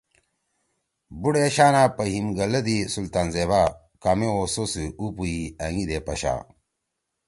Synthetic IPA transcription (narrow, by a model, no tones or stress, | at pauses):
buɽeɕaːnaːpɐɦimɡɐlɐd̪isult̪aːnzeβa | kɐmeososɨupuiɐŋid̪epɐɕa̰ː